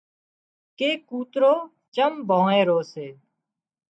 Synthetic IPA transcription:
keːkuːt̪ɾoː | t͡ʃəmbʱõːẽːɾoːseː

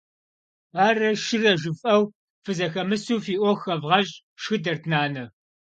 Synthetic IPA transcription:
aːrɐʃɪrɐʒɨfʼɐw | fɨzɐxɐmɨsuːfiːʔʷɔxɐvʁɐɕʼ | ʃxɨdɐrtʰnaːnɨ

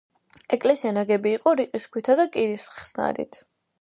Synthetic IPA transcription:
ɛkʼlɛsianaɡɛbiːqʼɔɾiqʼiskʰwit̪ʰad̪akʼiɾisχsna̰ɾḭt̪ʰ

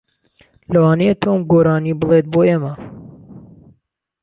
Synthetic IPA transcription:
lɐwɑːneet̪ʰoːmɡoːɾɑːniːbəlˠeːt̪̚boːeːmɐ

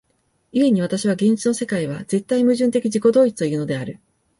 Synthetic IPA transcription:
ie̞ɲ̟iβ̞at̪aɕiβaɡẽ̞ɲ̟ʲt͡ɕino̞se̞kaiβ̞aze̞t̪ːaimɯ̟ʑɨ̃nt̪e̞kʲiʑiko̞d̪o̞ːit͡sɨ̥t̪o̞jɯ̟ːno̞d̪e̞aɾɯ̟

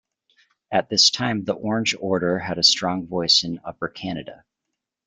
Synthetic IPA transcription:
ɨt̪̚ðɪstʰãɪ̃mðiʔɔɹɨ̃nd͡ʒɔɹɾə˞ɨɾɨstɹ̥ɔ̃ŋvɔɪsɨ̃nʌpə˞kʰæñɨɾɨ

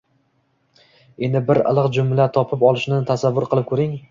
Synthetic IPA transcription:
e̞nd̪ɪbɪɾɨ̰lˠɨqd͡ʒʊmlat̪ʰɒpʰɪpɒlˠɪʃnɪt̪ʰasavːʊɾqʰɨlˠɪp̚kʰɵɾɪŋ

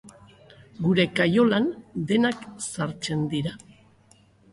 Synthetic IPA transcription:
ɡuɾe̞kajo̞land̪e̞naksaɾt͡se̞nd̪iɾa

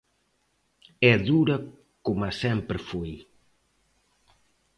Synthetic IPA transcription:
ɛðuɾɐ | komɐsɛmpɾɪfoj

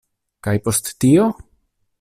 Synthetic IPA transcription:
kajpo̞stːio

